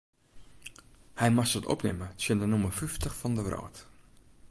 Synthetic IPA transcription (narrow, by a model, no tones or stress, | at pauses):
hɛjmaxsɔtɔ̰pnɪməsjəndənumərfyftəxfɑndəʋrɔ̰ːt